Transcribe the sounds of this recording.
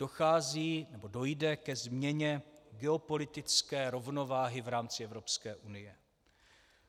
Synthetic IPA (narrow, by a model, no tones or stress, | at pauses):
o̞xaːziːnɛbo̞do̞jdɛkɛzmɲɛɲɛɡɛo̞po̞lɪt̪ɪt͡skɛːɾo̞vno̞vaːɦɪvɾaːmt͡sɪɛvɾo̞pskɛːʔunɪjɛ